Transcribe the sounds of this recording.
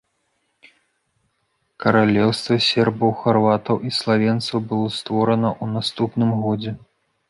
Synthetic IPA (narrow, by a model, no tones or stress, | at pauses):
kɐɾalʲɛwst̪vɐsʲɛrbɐwxarvat̪ɐwʔislˠavʲɛnt̪sɐwbɨlˠɔst̪vɔɾɐnɐʔunast̪upnɨmɣɔd͡zʲɛ